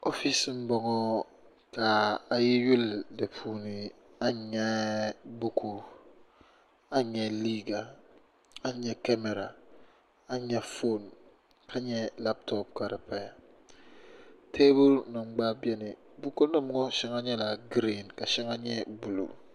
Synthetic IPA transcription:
o˦fi˦si˦n̩˦bɔ˨ŋɔ˦ | ka˨a˨ji˦ju˦lde˨pʰu˨ni˨ | a˦ɲɛ˦bu˦kʰu˦ | a˦ɲɛ˨li˦ɡa˨ | a˦ɲɛ˨ka˦me˨ɾa˨ | a˦ɲɛ˨fo˦n | kʰa˦ɲɛ˦la˦p̚tɔ˦p̚ka˨ɾi˨pa˨ja˨ | tʰe˦bu˦lnɔ˨ŋ͡mɡ͡ba˦bje˦ni˨ | bu˦ko˦nɔ˦m˨ŋɔ˦ʃɛ˦ŋa˦ɲɛ˦la˨ɡɾi˨nka˨ʃɛ˦ŋa˦ɲɛ˦bu˨lṵ˨

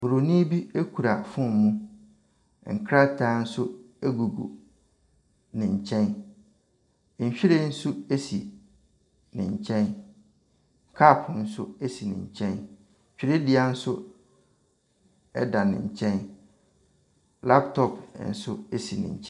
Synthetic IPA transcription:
bu˨ɾo˨nĩ˦bi˦e˦kʰu˨ɾa˨fʊ̃˦m˨mũ˦ | ŋ̩˨kʰɾa˦tʰaː˨˦n̩˦sʊ˦ | e˦ɡu˨ɡṵ˨ | nɪ̃˨ɲ̩˨t͡ɕʰɛ̃˦n˦ | ɲ̩˨ɕᶣi˦ɾe˦n̩˦sʊ˦e˦si˨ | nɪ̰̃˨ɲ̩˨t͡ɕʰɛ̃˦n˨ | kʰa˦˨pʰn̩˦sʊ˦e˦si˨nɪ̰̃˨ɲ̩˨t͡ɕʰɛ̃˦n˨ | ɕᶣi˦ɾe˦dɪ˨a˦n̩˦sʊ˦ | ɛ̰˦da˨nɪ̰̃˨ɲ̩˨t͡ɕʰɛ̃˦n | la˦ptʰɔ˦pn̩˨sʊ˦e˦si˨nɪ̰̃˨ɲ̩˨t͡ɕʰ

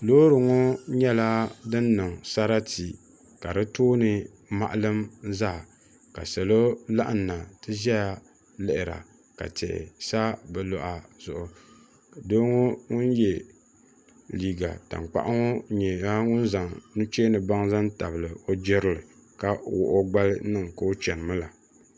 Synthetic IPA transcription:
loː˦ɾɨ˨ŋo˦ɲɛ˦la˦dɨ˦nːɨ˨ŋsa˦ɾa˦ti˨ | ka˨dɨ˦toː˦nɨ˦ | ma̰˨ʔa˦lɨ˦mza˦˨ | ka̰˨sɛ˨lo˦la˦ʔa˨nːa˨tɨ˦zɛ˦ja˨ | lɛ˨ʔɪ˨ɾa̰˨ | ka̰˨tɛ̰˨ʔsa˦bɛ˨lɔ˦ʔa˨zʊ˨ʔʊ˨ | do˦ŋo˦ŋʊ˦njɛ˨ | liː˨ɡa̰˨ta̰˨ŋk͡pa̰˨ʔa˦ŋo˦ɲɛ˨a˦ŋʊ˦n˦za˨ŋnu˦t͡ʃe˦nɨ˨ba˦ŋza˦n˦ta˨bɨ˨lɨ˨o˦d͡ʒɪ˦ɾɨ˦lɨ˨ | ka˦wʊ̰˨ʔo˦ɡ͡ba˦lɨ˦nɨ˦ŋka˦o˦t͡ʃɛ˨n˨mɨ˦la˨

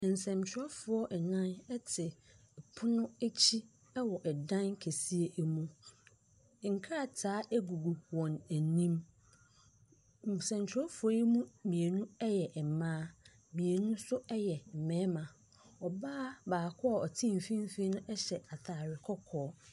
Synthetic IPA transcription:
n̩˨sɛ̃˨mt͡ɕʰᶣɪ˨˦ɔ˦fʊ˨˦ɔ˦ʔɛ˨nã˦nɛ˦tʰɪ˨ | pʰʊ˦nʊ̃˦æ˦t͡ɕʰi˦ | ɛ˦wɔ˨ʔɛ˨dã˦nkʰe˨si˦e˦ʔmũ˦˨˦ | ŋ̩˨kʰa˦a˦˨tʰaː˨˦æ˦ɡu˨ɡu˨wɔ̃˨næ˨nĩ˦m˨ | sɛ̃˨mt͡ɕʰᶣɪ˦ɔ˦fʊ˨˦ɔ˦ji˦mũ˦mĩ˨e˨nũ˦ɛ˦jɛ˨ʔmãː˦ | mĩ˨e˨nũ˦sʊ˦ɛ˦jɛ˨m̩˨mɛ̃˦mã˨ | ɔ˨baː˦baː˨kʰɔ˦a˨ɔ˨tʰĩ˦˨m̩˨fĩ˦m˦fi˦nʊ̃˦ʔɛ˦ɕɛ˨a˨tʰaː˨ɾɪ˨kʰɔ˦kʰɔː˨˦

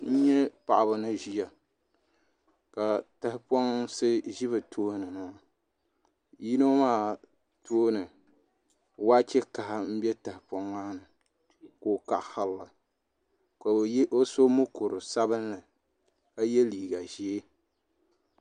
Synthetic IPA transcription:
n̩˦ɲɛ˦pa˨ʔa˨bʊ˨nɨ˦ʒi˦ja˨ | ka˨ta˨hɪ˦pɔ˦ŋsɨ˦ʒi˦βɨ˨tʰoː˦nɨ˨nɨ˨a˨ | ji˦no˦maː˦ | tʰoː˦nɨ˨ | wa˦t͡ʃɛ˦ka˨ha˨m̩˦bɛ˦ta˨hɪ˨pɔ˦ŋːaː˦nɨ˨ | ko˨ka˨ʔha˦lla˨ | ka˨˦o˦so˦mʊ˦ko˨ɾɨ˨sa˦bɨ˦n˦lɨ˨ | ka˦jɛ˦liː˨ɡa˨ʒe˨e˦

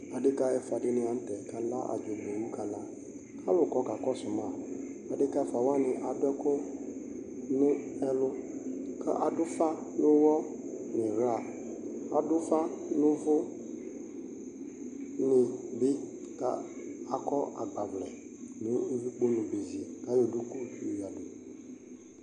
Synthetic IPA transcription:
a˨dɪ˦ka˦ɛ˨fa˨dɪ˦nɪ̃˨a˨m̩˦tɛ˨kʰa˨la˦ʔa̰˨d͡ʒo˨bo˨mũ˦kʰa˨lã˦ | kʰa˦wʊ˨kɔ˦ka˨kɔ˦sʊ˨mã˨ | a˨dɪ˦ka˦ɛ˦fa˨wa˦nɪ̃˨ʔa˨dɛ˦kʊ˦ | nʊ̃˦ɛ˦lʊ˦kʰa̰˦ʔa˨dʊ˦fa˦nʊ̃˦wɔ˦ | nɪ̃˨ɣa˨ | a̰˨dʊ˦fa˦nʊ̃˦vʊ˦ | nɪ̃˨bɪ˦ | ka̰˨ | a˨kʰɔ˦ʔa̰˨ɡ͡ba˨blɛ̰˨nʊ̃˨˦vi˦k͡po˦nʊ̃˨be˨zi˨e˨ka˨˦jo˨du˦ku˦˨tu˦˨i˨a˨bɛ˨

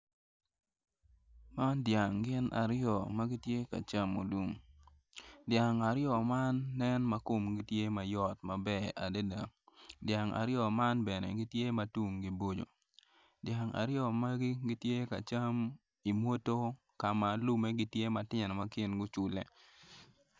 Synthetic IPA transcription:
ma˦ndja˨ŋɡɪ˦nʔa̰˨ɾɪ˦jɔ˨ma˦ɡɪ˦tje˦ka̰˨t͡ʃa˦mo̰˨lu˨m | dja˨ŋa˨ɾjɔ˨ma˦nːɛ˦nma˦ko˨mɡi˦tje˦ma˨jɔ˦tma˨bɛ˦a̰˨de˦da̰˨dja˨ŋa̰˨ɾjɔ˨ma˦nbɛ˨nɛ̰˨ɡɪ˦tje˦ma˨tu˦ŋɡi˦bo˦d͡ʒo̰˨ | dja˨ŋa̰˨ɾɪjɔ˦˨ma˦ɡɪ˦ɡɪ˦tje˦ka̰˨t͡ʃa˦m | i˨mwo˦to˦ | ka˨ma˨lu˦me˦ɡɪ˦tje˦ma˨tɪ˦ɲɛ˨n˨ma˦kɪ˦nɡʊ˦t͡ʃʊ˨le˨

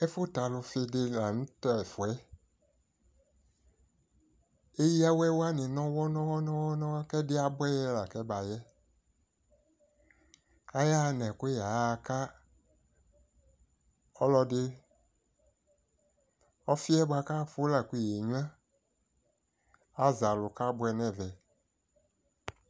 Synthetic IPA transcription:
ɛ˦fʊ˦t̪a˨lʊ˧fɪ˧dɪ˧la˨nũ˦tɛ˦ɛ˨fu˨ɛ˦ | e˦ji˦a˦wɛ˦wa˦nĩ˨nɔ̃˦wɔ˦nɔ̃˦wɔ˦nɔ̃˦wɔ˦nɔ̃˦kɛ˦dɪ˦a˨bɛ˦jɛ˦la˨kɛ˦ba˨jɛ˦ | a˦ja˦˨nɛ̃˨kja˨˦ka˦ | ɔ˦lɔ˦dɪ˦ | ɔ˦fi˦ɛ˦bʷa˨ka˦˨fu˦la˨kʷi˦˨je˨ɲũ˦ã˦ | a˦za˨lʊ˨ka˦bʊ˦ɛ˨nɛ̃˦˨vɛ˨

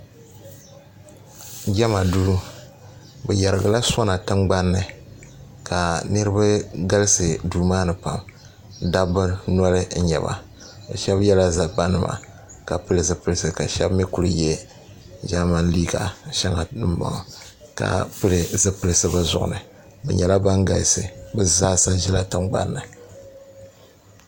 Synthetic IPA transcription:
ɡʲɛ˦ma˨duː˦ | bɛ˨jɛ˨ɾɨ˨ɡa˨la˦so˦na˨tɨ˦ŋɡ͡ba˦nːɨ˨ | kʰa˨nɨ˦ɾɨ˦ba˦ɡa˦lɨ˦sɨ˨duː˨maː˦nɨ˨pa˨m | da˦bɨ˦nɔ˦lɨ˦n̩˦ɲɛ̰˨ba̰˨ | ʃɛ˦bjɛ˦la˦za˨ba˦nɨ˦˨ma̰˨ | ka˨pɨ˦lɨ˨zɨ˨pɨ˦lsɨ˨ka˨ʃɛ˦bmɛ˦ku˦ɾɨ˨jɛ˦ | ʒa˦ma˦n˦li˦ɡa̰˨ʃɛ˦ŋa˨ɨ˦ma̰˨ | ka̰˨pɨ˦lɨ˨zɨ˦pɨ˨˦lsɨ˦bɨ˦zʊ̰˦˨ʔʊ̰˨nɨ˨ | bɛ̰˨ɲɛ˨la˦ba˦ŋɡa˨lsɨ̰˨bɨ˦zaː˦sa˦n˦ʒɛ˦la˦tɨ˦ŋ͡mɡ͡ba̰˦nːɨ˨

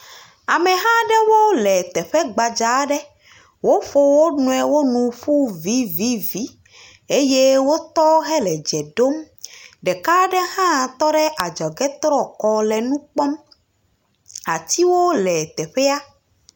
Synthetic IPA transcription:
a˨mɛ̃˨ɦã˦ɖɛ˦wo˦lɛ˨t̪ɛ˨ɸɛ˦ɡ͡ba˨d͡ʒa˨˦ɖɛ˦ | wo˦ɸo˦wo˦nũ˦ɛ˨wo˦nũ˨ɸu˦vi˨˦vi˦vi˨˦ | e˦je˦wo˦t̪ɔ˦ɦɛ˦lɛ˨d͡ʒɛ˨ɖo˦m | ɖɛ˨ka˦ɖɛ˦hã˦˨t̪ɔ˦ɖɛ˦ʔa˨d͡ʒɔ˨ɡɛ˦t̪ɾɔ˦kɔ˦lɛ˨nũ˦k͡pɔ˦m | a˨t̪i˦wo˦lɛ˨t̪ɛ˨ɸɛ˦a˦

